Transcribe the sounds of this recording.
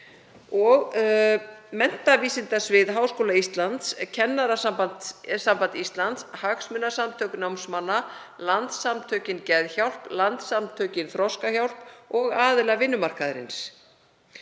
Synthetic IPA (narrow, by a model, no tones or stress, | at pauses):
ɔɣ | mɛn̥t̪aviːsɪnt̪asvɪðɦaːwskoːlaist̪lant̪scʰɛnːaɾasampant̪sampant̪ist̪lant̪shaksmʏnːasamt̪ʰœːknawmsmanːa | lant̪samt̪ʰœːɥcɪncɛðçawl̥plant̪samt̪ʰœːɥcɪnθɾɔskaçawl̥pɔɣaːðɪlavɪnːʏmar̥kaðɾɪ̰ns